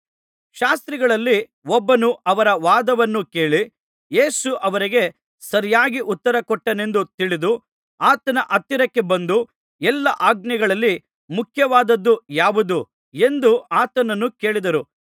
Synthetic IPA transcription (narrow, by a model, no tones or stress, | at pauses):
ʃaːst̪ɾiɡɐɭɐlːi | ɔbːɐnuɐʋɐɾɐʋaːd̪ɐʋɐnːuke̞ːɭi | je̞ːsuʔɐʋɐɾiɡe̞ | sɐɾijaːɡiʔut̪ːɐɾɐkɔʈːɐne̞nd̪ut̪iɭid̪u | aːt̪ɐnɐʔɐt̪ːiɾɐkːe̞bɐnd̪u | ɛlːɐʔaːɡ̚nɛɡɐɭɐlːi | mukʰjɐʋaːd̪ɐd̪ːujaːʋud̪u | e̞nd̪uaːt̪ɐnɐnːuke̞ːɭid̪ɐɾu